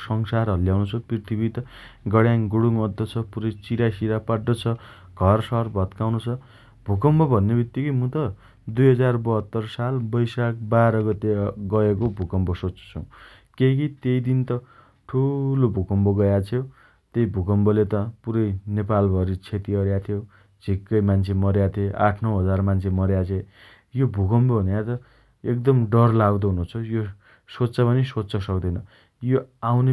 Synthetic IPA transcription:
sʌŋsaɾʌljawnut͡sʰuprirt̪ʰibit̪ʌ | ɡʌɽjaŋɡuɽuŋʌd̪ʱːʌt͡sʰʌpuɾʌjt͡siɾasiɾapaɖːot͡sʰʌ | ɡ̥ʱʌrsʌʌrbʱʌt̪kawnot͡sʰʌ | bʱukʌmbʌbʱʌnːebʱit̪ːikʌjmut̪ʌ | d̪ujɦʌd͡zarbʌɦʌt̪ːʌrsalbʌjsak̚baɾʌɡʌt̪eɡʌekobʱukʌmbʌsot͡st͡sʰṵ | kekit̪ejd̪int̪ʌ | ʈʰulobʱukʌmboɡʌjat͡sʰjo | t̪ejbʱukʌmbʌlet̪ʌpuɾʌjnepalbʱʌɾit͡sʰet̪iʌɾjat̪ʰijo | d͡zʱikːʌjmant͡sʰemʌɾjat̪ʰeʔaʈʰnʌwɦʌd͡zarmant͡sʰemʌɾjat͡sʰe | jobʱukʌmbobʱʌnjat̪ʌ | ek̚d̪ʌmɖʌrlaɡd̪ʌɦunut͡sʰʌjo | sotːt͡sʌpʌnisotsʌsʌkd̪ʌjnʌ | joawne

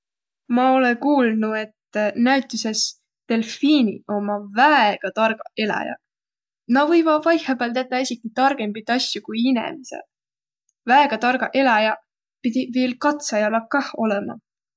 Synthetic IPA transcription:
mɑo̞lekuːlnue̞t̪ːnæɥt̪ːˑise̞s | t̪e̞lfiːnʲḭo̞mɑvæeɡ̥ɑt̪ɑrɡ̥ɑe̞lɑ̰jɑ̰ | nɑvɤjvɑvɑjhebelt̪æt̪ːˑɑesʲikit̪ɑrɡ̥empit̪ːˑɑsjukujinḛmsḛ | væeɡ̥ɑt̪ɑrɡ̥ɑʔe̞lɑjɑ | pid̪̥ʲiveːlkɑt̪sɑjɑlɑkɑho̞lemɑ̰

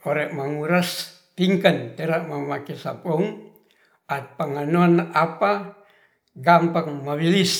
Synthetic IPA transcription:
oɾeʔmaŋuɾas | t̪iŋkant̪eɾaʔmamakesa̰pɔŋ | at̪̚paŋanoanapa | ɡampaŋmaβilis

